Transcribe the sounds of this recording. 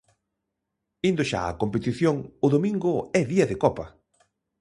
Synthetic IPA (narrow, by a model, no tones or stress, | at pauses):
ind̪ʊʃa̰ɐ̰kompet̪iθjoŋʊðomĩŋɡʊɛðiɐðɪkɔpɐ